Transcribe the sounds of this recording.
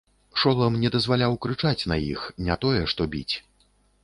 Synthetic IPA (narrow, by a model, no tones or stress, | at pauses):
ʂɔlˠɐmnʲɛd̪ɐzvalʲawkɾɨt͡ʂat͡sʲnɐjḭxnʲɛt̪ɔjɛʂt̪ɔbʲḭt͡sʲ